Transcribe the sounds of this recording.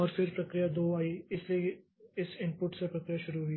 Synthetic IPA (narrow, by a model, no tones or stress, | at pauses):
ɔːɾfɪɾpɾɐkɾijad̪oːaːiɪslie | ɪsɪ̃mpʊʈsepɾɐkɾijaʃʊɾuɦui